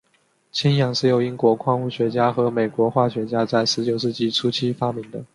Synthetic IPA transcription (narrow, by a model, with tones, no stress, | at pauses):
t͡ɕʰi˥njɑ˨˩ŋʂɻ̩˥˩jo˨˩ʊi˥ŋkwɔ˧˥kʰwɑ˥˧ŋu˥˩ɕɥɛ˧˥t͡ɕja˥xɤ˧˥me˨˩ɪkwɔ˧˥xwa˥˩ɕɥɛ˧˥t͡ɕja˥t͡sa˥˩ɪʂɻ̩˧˥t͡ɕjo˨˩ʊʂɻ̩˥˧t͡ɕi˥˩ʈ͡ʂʰu˥t͡ɕʰi˥fa˥mi˧˥ŋd̪ə˧